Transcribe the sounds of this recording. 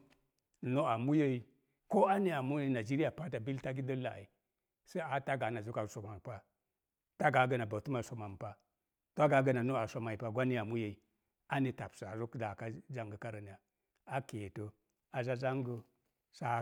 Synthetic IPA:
no˦a˨mu˦je˦i˨ | ko˦a˦ne˨a˨mu˦je˦i˨na˨d͡ʒi˦ɾi˦ja˨pa˦ta˨bi˦lta˦ɡi˦də˦la̰˨i˨ | sa˦a˦ta˦ɡa˨˦na˨zu˦ka˨so˨ma˨m˨pa˦ | ta˦ɡa˨˦ɡə˨na˨ba˨tu˦ma˨so˨ma˨m˨pa˦ | to˦a˦ɡa˨˦ɡə˨na˨no˦a˨so˦ma˨i˨pa˦ɡʷa˦ni˦a˨mu˦je˨i˨ | a˦ne˨ta˨psa˨a˨zu˦kda˨ka˦d͡ʒa˦ŋɡə˨ka˦ɾa˨n˨a˨ | a˦ke˨to˨ | a˨za˦za˦ŋɡə˨ | sa˦

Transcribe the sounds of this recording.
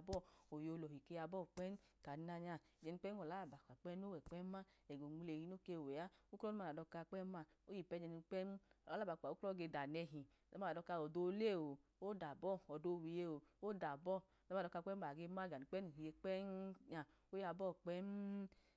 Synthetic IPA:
bɔ˦˨o˨jo˧lɔ˨i˨ke˧ja˧bɔ˦˨k͡pɛ˦n˦ | ka˨˦na˧ɲa˧˨d͡ʒɛ˧ni˧k͡pɛ˦n˦ɔ˨la˨˦a˨ba˨ka˨k͡pɛ˦n˦o˦wɛ˨k͡pɛ˦ma˦ | ɛ˨ɡo˨mu˧le˨hi˦no˦ke˧˨wɛ˨a˦u˦kɔ˦u˦ma˧˨a˨ɔ˧ka˧k͡pɛ˦ma˧˨ | o˦ji˨pɛ˦d͡ʒɛ˧ni˧k͡pɛ˦n˦ɔ˨la˨˦la˦ba˨k͡pa˨o˦klɔ˦ɡe˧da˨nɛ˧ɦi˨ | ɔ˦ma˧˨a˨dɔ˧ka˧˨wɔ˨do˧˦le˦˨wo˨o˦da˨bɔ˦˨ɔ˨do˧wi˨je˧o˨o˦da˨bɔ˦˨ | lɔ˦˧˨ɔ˧ka˧k͡pɛ˦ma˨ɡe˧ma˦ɡa˨ni˨k͡pɛ˦nu˨hi˨je˧k͡pɛ˦nɲa˧˨ | o˦ja˧bɔ˦˨k͡pɛ˦n˦

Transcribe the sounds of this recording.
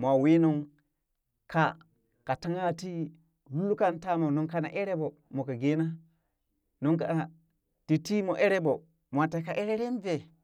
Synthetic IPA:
mʷ˨a˨wi˦nu˦ŋ | ka˨ | ka˨ta˦ŋa˦ti˦ | lu˦lu˦ka˦nta˦mo˨no˨ŋka˨na̰˨ʔe˦ɾe˦bo˨ | mo˨ka˨ɡe˦na˦ | no˦ŋka˨ | ti˨ti˦mo˨ʔe˦ɾe˦bo˨ | mʷ˨a˨te˨˦ka˨ʔe˦ɾe˦ɾe˦nve˨

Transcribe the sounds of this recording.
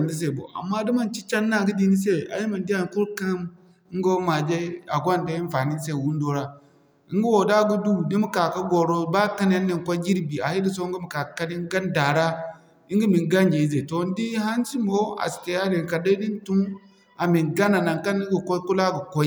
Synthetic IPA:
n˦di˦s̬e˨bo̰˨a̰˨mːa˦di˦ma˦˨nt͡ʃi˦t͡ʃa˦nːa˦˨ɡi˦di˦ni˦s̬e˦a̰˨ji˦ma˨n˦di˦ja˨n˨ku˦ɾka˦m | i˦ŋ˦ɡo˦ma˨d͡ʒe˦a˨ɡʷa˦n˨da˦i˦fa˨ni˦se˦˨wu˦n˦do˦ɾa˦ | i˦ŋ˦ɡu˦wo˨da˦ɡu˦du˦di˦mu˦ka˨ka˦ɡo˨ɾo˦ba˦ka˦ne˦nː˦i˦ŋ˨kʷo˦ɡi˦ɾbi˨a˨hi˦di˦so˦ɡi˦mu˨ka˨ka˦ni˦ŋ˦ɡa˦nda˨ɾa˦ | i˦ŋɡi˦mi˨ŋɡa˦nd͡ʒe˨i˦ze˨to˨n˦di˦ha˦nsi˦mo˦a̰˨ske˨ja˦de˨ka˨da˦i˦di˦n˦tu˦m | a˨mi˨ŋɡa˦na˨na˨ŋka˦n˦i˦ɡu˨ko˦ku˦la˦ɡu˨kʷo˦i˦

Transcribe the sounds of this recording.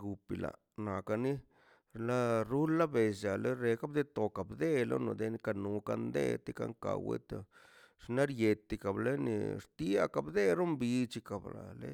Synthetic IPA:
ɡu˨pi˨la̰˨ | na˨ka˧ni˦ | la˦ɾu˦la˦be˨sa˨le˦ɾe˧ka˦b̚d̪e˦t̪o˨ka˨bd̪e˦lo̰˦no˧d̪e˧ni˦ka˧nu˨˦ka̰˧nd̪ḛ˦t̪i˦ka̰˦ŋka̰˨wḛ˦t̪o˧ | ʂna˦ɾje˧t̪ːi˧ka˨ble˦nḭ˨ɾt̪i˦a̰˧ka˨bd̪e˦ɾo˦mbi˧t͡ʃi˧ka˨bla̰˨lḛ˦

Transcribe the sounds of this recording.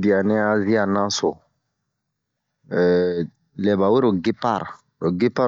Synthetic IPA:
bi˨a˨nɛ˦a˦zi˦a˦nã˦so˨ | lɛ˨ba˨we˦ɾo˨ɡe˦pa̰˦ɾ | o˨ɡe˦pa˦

